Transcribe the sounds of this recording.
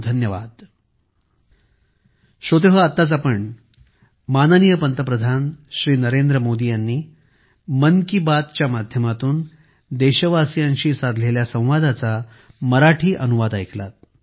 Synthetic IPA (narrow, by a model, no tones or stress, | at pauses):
d̪ʱənjəʋa̰d̪ | ɕot̪eɦəat̪ːat͡sapəɳ | manənijəpənt̪əpɾəd̪ʱanɕɾiːnəɾend̪ɾəmod̪ijanːiː | mənkibad̪̚t͡ɕjamad̪ʱjəmat̪uːn | d̪eɕəʋasijaɲɕiːsad̪ʱleljasə̃w̃ʋad̪ʱat͡sa | məɾaʈʰiːʔənuʋad̪ajkʰla̰t̪̚